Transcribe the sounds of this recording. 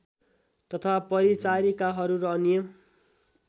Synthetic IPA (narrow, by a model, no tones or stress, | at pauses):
t̪ʌt̪ʰapʌɾit͡saɾikaɦʌɾuɾʌnijo